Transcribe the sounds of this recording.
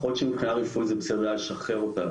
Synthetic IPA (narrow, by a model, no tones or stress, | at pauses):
χotʃemipχinaʁifujzebesed̪alʃaχeʁota